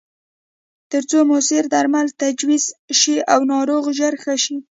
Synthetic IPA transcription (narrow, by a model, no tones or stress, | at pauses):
t̪əɾt͡somʊsɪɾd̪aɾmalt̪ad͡ʒwizʃiawnɑɾoɣʒaɾxaʃi